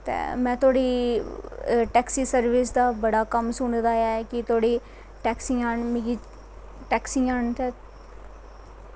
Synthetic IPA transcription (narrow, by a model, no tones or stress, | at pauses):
t̪ḛːmɛ̃ːt̪ʰoːɽiː | ʈɛːksiːsəɾʋɪsd̪aːbəɽaːkəmsʊɳd̪aːɛːkɪt̪ʰoːɽiː | ʈɛːksiːaːnmĩːɡi | ʈɛːksiːaːnt̪ɛ